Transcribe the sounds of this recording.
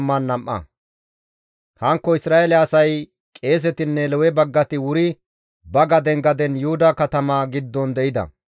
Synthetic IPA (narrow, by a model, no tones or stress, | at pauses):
mːɐnːɐmʔːɐ̰ | hɐŋkːɔɪsɾaːelɛɐsɐj | kʼe̞ːs̬ɛt̪ɪnːɛlɔwɛbɐɡːɐt̪ɪwʊɾɪ | bɐɡɐd̪ɛŋɡɐd̪ɛnjʊhʊd̪ɐkɐt̪ɐmaːɡɪd̪ːɔnd̪ɛʔɪd̪ɐ̰